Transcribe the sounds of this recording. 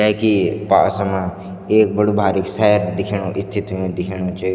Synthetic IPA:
akipa̰ːsəmã | eːk̚bəɽubʱaːɾiksɛɦɾd̪ɪkʰiɳ̃õʔɪst̪ʰit̪ʰːõd̪ɪkʰiɳ̃õt͡ʃʰe

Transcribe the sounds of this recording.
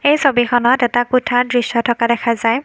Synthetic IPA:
ejsobixɔnɔtɛtakutʰaɹdɹisɔtʰɔkadɛkʰazaj

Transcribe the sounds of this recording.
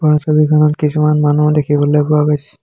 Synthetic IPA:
pɔɹɔsɔbikʰɔnɔtkisumanmanudekʰibɔlojpʊakojsɛ

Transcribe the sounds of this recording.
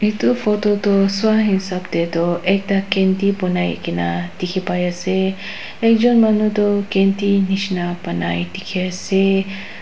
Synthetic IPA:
it̪ufot̪ot̪oswaɦinsap̚t̪et̪oʔɛk̚dakɛnt̪ipɔnaj̰kinat̪ikʰipajase | ɛk̚d͡ʒɔnmanot̪okɛnt̪iniʃnapanajt̪ikʰase

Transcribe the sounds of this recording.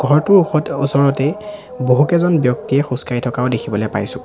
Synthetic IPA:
ɡ̥ʱɔɹtʊɹɔusɔɹɔtɛ | boɦukɛzɔnbjɔk̚tijɛxuskaitʰɔkaʊdekʰibɔlɔjpa̰jsʊ̃

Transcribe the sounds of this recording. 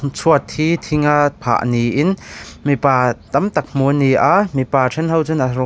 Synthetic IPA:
t͡sʰuət̪ʰhit̪ʰiŋapʰa̰ʔniʔɪnmipaːt̪ɐmt̪ɐk̚muniʔamipaːʈ͡ʂʰɛnɦɐwt͡sunʔarɔ

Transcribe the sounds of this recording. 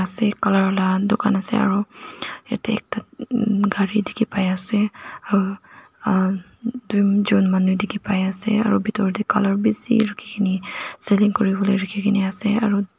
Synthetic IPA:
asɛkalaɹɔlad̪ʊkanasɛ̰a̰ɹuḛt̪ḛːk̚taɡʱaɹid̪ikipajasɛaɾu | d̪ujd͡ʒonmanujd̪ikipajasɛa̰ɹubit̪ɔɹd̪ikɔlɔɹbisḭɾəkʰikʰiniseliŋkɔɹibɔleɾəkʰikʰiniasɛaɹu

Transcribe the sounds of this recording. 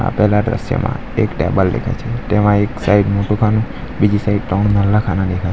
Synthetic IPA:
a̰pɛɦlaɖɾə̰sjə̰mã̰ | ekʈɛ̰bəlːḛkʰa̰t͡ʃʰet̪emãeksaiɖmoʈũkʰanũ | bid͡ʒisaiɖʈɔnnələkʰanãd̪ekʰa

